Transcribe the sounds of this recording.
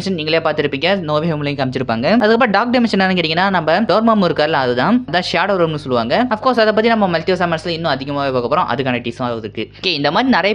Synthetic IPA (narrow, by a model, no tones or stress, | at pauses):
ʂɐnniːŋɡɐɭjeːpaːɾt̪ɪɾɯpːiːŋɡɐnoːʋɪɣɐmlɐjkɐmɪt͡ʃːɪɾɯpːaːŋɡɐɐðɯkːɐp̬ːɾːɖaːk̚ɖɪmɛnʂɐnanɯŋkɪʈːɪŋɡɐnːaːnɐmbɐɖoːɾmamɪɾɯkːaːɾɪlɐɐðɯt̪ãːt̪ãːʂaːɾʈɐʋɾoːmnɯsɔlːɯʋaːŋɡɐɐfkoːɾsɐðɐpːɐt̪ːinɐmːɐmɐlt̪ɪʋɐsaːmɐːnɐsɪlɪnːʊ̃ɐðɪɣɐmaːʋeːpoːkɐpːɾõʔɐ̰ðɯkːaːnɐʈiːsɐ̃aːɾɯʋɐðɯɾɯkːɯkeɪnd̪ɐmaːd̪ɾinɪɾɐjɐ